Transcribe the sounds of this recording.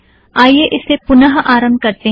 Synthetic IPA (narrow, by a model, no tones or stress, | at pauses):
aːijeʔɪsːepʊnəɦʔaːɾə̃mb̚kɐɾt̪e